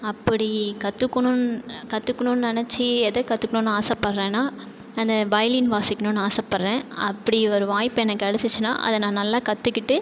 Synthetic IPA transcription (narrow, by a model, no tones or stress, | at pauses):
ɐpːɐɽikɐt̪ːɯkːɐɳʊ̃nkɐt̪ːɯkːɐɳʊnnɛnɛt͡ʃːiɛðɐkɐt̪ːɯkːɐɳʊ̃naːsaːpɐɾɾẽːnaː | ɐnd̪ɐbɐjlinʋaːsɪkːɐnʊ̃naːsaːpɐɾɾẽːɐpːɐɽiɔɾɯʋaːjpːɛnɐkːɯɐɽɐsɯt͡ʃːɯna̰ːʔɐ̰ðɐnãːnɐlːaːkɐt̪ːɯkːɪʈːɯ